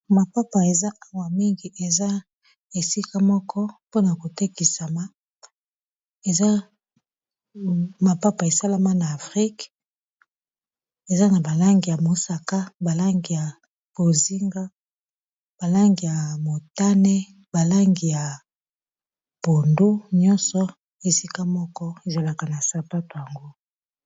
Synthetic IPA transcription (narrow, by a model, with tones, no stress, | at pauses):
ma˨pa˦pa˨e˨za˦ʔa˦wa˨mi˦ŋɡi˨ʔe˨za˦ | e˨si˦ka˦mɔ˦kɔ˦po˦na˨ko˨te˦ki˨sa˨ma˦ | e˨za˦ | ma˨pa˦pa˨e˨sa˦la˦ma˦na˨a˨fʁi˦k | e˨za˦na˨ba˨la˦ŋɡi˨ja˨mo˨sa˨ka˦ba˨la˦ŋɡi˨ja˨ | b̥o˨zi˦ŋɡa˦ | b̥a˨la˦ŋɡi˨ja˨mo˨ta˦ne˦ | ba˨la˦ŋɡi˨ja˨ | b̥o˨ndo˦ɲɔ˦nsɔ˨ | e˨si˦ka˦mɔ˦kɔ˦e˨za˨la˨ka˨na˨sa˨pa˦to˨ja˨ŋɡo˦